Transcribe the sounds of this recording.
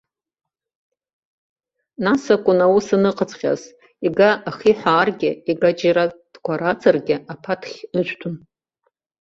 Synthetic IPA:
nasakʷʼʊnawusɨnɨqʰʼət͡sʰʼχʲa̰z | iɡaʔaχiħʷaːrɡʲɪiɡad͡ʒiɾad̥ɡʷaɾat͡sʰʼarɡʲɪapʰatʰχʲɨʒʷtʷʰʊn

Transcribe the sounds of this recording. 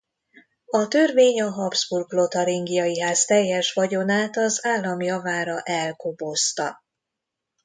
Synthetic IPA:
ɒt̪ørveːɲɒɦɒbzburɡlo̞t̪ɒɾiŋɡijɒjiɦaːst̪ɛjːɛʃʋɒɟo̞naːt̪ɒzaːlːɒmjɒvaːɾɒʔɛlkobo̞st̪ɒ

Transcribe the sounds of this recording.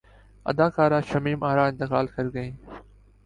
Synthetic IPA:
ɐ̰d̪aːkaːɾaːʃɐmiːmaːɾaːɪ̃nt̪ɪkaːlkʰəɾɡəĩː

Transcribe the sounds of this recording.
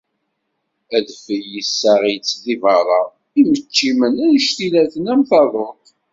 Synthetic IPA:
æðfəjisːæʁit͡sːðivɑɾˤɑ | imət͡ʃːimənæjʃt̪ilæθənæmθɑðˤoq

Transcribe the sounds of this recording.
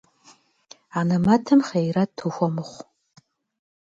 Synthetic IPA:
anamatʰɨmχejratʰːuxʷɔmɨχʷ

